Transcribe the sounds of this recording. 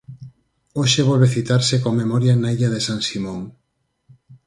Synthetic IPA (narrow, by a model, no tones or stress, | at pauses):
oʃeβ̞ɔlβeθit̪aɾsekoŋmemɔɾjanaiʎaðesaŋsimõŋ